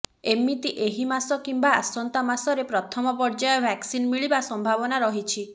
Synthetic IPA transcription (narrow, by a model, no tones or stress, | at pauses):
emit̪iʔeɦimasɔkimbaasɔnt̪amasɔɾepɾɔt̪ʰɔmɔpɔɾd͡ʒajɔbʱaksinmiɭibasɔmbʱabɔnaɾɔɦit͡ʃʰi